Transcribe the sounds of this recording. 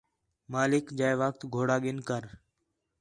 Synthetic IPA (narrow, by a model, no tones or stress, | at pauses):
maːlɪkd͡ʒaːjʋək̚t̪ɡʱoːɽaːɠɪnkəɾ